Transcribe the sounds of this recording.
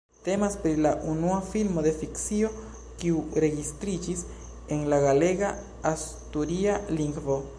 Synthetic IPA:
t̪e̞maspɾilaʔunuafilmo̞d̪e̞fiksio̞ | kiuɾe̞ɡist̪ɾid͡ʒis | e̞ŋlaɡale̞ɡa | as | t̪uɾialiŋɡvo

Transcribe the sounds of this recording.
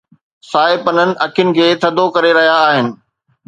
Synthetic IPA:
saːɪpɐnənɪ̆ʔɐkʰjʊnɪ̆kʰeːt̪ʰɐd̪ʱokɐɾeɾɐɦijaːɦɪnɪ̆

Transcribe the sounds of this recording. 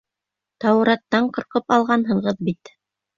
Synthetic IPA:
t̪ɑwɾɑt̪ːɑɴqɤ̆ɾqɤpɑlˠʁɑnɦɤ̆ɴʁɤðbit̪

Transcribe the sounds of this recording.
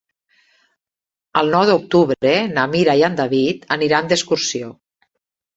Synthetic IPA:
əlˠnɔwðuk̚t̪uβɾɾenamiɾajand̪aβit̪əniɾand̪eskuɾsio

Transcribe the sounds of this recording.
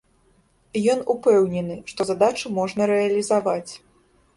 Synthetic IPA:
jɔnupɛwnʲɛnɨʂt̪ɔzad̪at͡ʂɨmɔʐnɐɾɛɐlʲizavat͡sʲ

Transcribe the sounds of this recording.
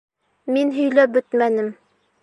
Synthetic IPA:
minɦɵ̆jlæp̚bɵt̪mænɘm

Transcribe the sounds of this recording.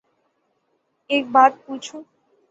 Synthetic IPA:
eːk̚baːt̪̚put͡ʃʰũ

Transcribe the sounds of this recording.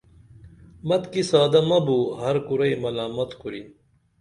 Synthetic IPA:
mɐt̪kisaːd̪ɐmɐbuːɦɐɾkuɾɐimɐlaːmɐt̪kuɾin

